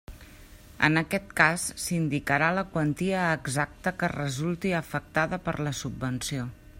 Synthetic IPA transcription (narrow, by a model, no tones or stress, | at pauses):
ə̰nəkɛt̪̚kasːind̪ikəɾaləkwənt̪iəːɡzak̚t̪əkərəzulˠt̪iəfək̚t̪aðəpəɾləsubːənsio